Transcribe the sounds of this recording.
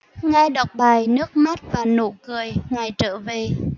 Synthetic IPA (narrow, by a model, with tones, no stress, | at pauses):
ŋa˧jɗa˨˩wk͡p̚ɓaː˨˩jnɨ˦˥ək̚ma˦˥t̚vaː˨˩no̰˧˥kɨ˨˩əjŋa˨˩jt͡ɕəː˧˥ve˨˩